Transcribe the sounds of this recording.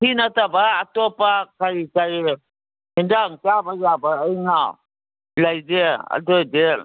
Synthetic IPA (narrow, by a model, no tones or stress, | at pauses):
hinatabaːtɔpakaɾikaɾi | indaŋtabajabaːjŋaw | lajdea̰dɔde